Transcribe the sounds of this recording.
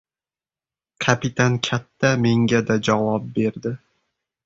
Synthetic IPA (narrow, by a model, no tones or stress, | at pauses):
kʰapɪt̪ʰankʲʰat̪ʰːame̞ŋɡʲad̪ad͡ʒavɒp̚be̞ɾd̪ɪ